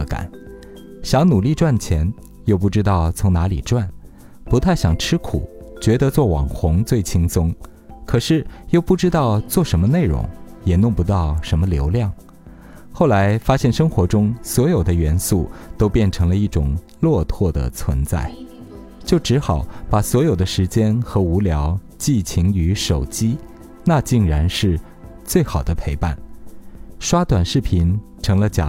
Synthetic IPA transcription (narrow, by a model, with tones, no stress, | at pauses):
ka̰˨˩˦n | ɕjɑ˧˥ŋnu˨˩li˥˧ʈ͡ʂwa˥˩nt͡ɕʰjɛ˧˥n | jo˥˧ʊp̬u˥˩ʈ͡ʂɻ̩˥t̪ɑ˥˩ʊt͡sʰʊ˧˥ŋna˧˥lḭ˨˩ʈ͡ʂwa˥˩n | pu˧˥t̪ʰa˥˩ɪɕjɑ˨˩ŋʈ͡ʂʰɻ̩˥kʰṵ˨˩˦t͡ɕɥɛ˧˥d̪ə˧t͡swɔ˥˩wɑ̰˨˩ŋxʊ˧˥ŋt͡swe˥˩ɪt͡ɕʰi˥ŋsʊ˥ŋkʰɤ˨˩ʂɻ̩˥˩jo˥˧ʊpu˥˩ʈ͡ʂɻ̩˥t̪ɑ˥˧ʊt͡swɔ˥˩ʂə˧˥nmə˧ne˥˩ɪɻʊ̰˧˥ŋjɛ˨˩nʊ˥˧˩ŋpu˧˥t̪ɑ˥˩ʊʂə˧˥nmə˧ljo˧˥ʊljɑ˥˩ŋ | xo˥˩ʊla˧˥ɪfa˥ɕjɛ˥˩nʂɤ˥ŋxwɔ˧˥ʈ͡ʂʊ˥ŋswɔ˧˥jo˨˩ʊd̪ə˦ɥɛ˧˥nsu˥˩t̪o˥ʊpjɛ˥˩nʈ͡ʂʰɤ˧˥ŋlə˧i˥˩ʈ͡ʂʊ˨˩ŋ | lwɔ˥˧t̪ʰwɔ˥˩d̪ə̰˩t͡sʰwə˧˥nt͡sa̰˥˩ɪ | t͡ɕjo˥˩ʊʈ͡ʂɻ̩˧˥xɑ˨˧˩ʊpa˨˩swɔ˧˥jo˨˩ʊd̪ə˦ʂɻ̩˧˥t͡ɕjɛ˥nxɤ˧˥u˧˥ljɑ˧˥ʊ | t͡ɕi˥˩t͡ɕʰi˧˥ŋy˧˥ʂo˨˩ʊt͡ɕi˥ | na˥˧t͡ɕi˥˩ŋɻa˧˥nʂɻ̩˥˧ | t͡swe˥˩ɪxɑ˨˩ʊd̪ə˦pʰe˧˥ɪpa˥˩n | ʂwa˥t̪wa˨˩nʂɻ̩˥˩pʰi˧˥nʈ͡ʂʰɤ˧˥ŋlə˧t͡ɕja̰˨˩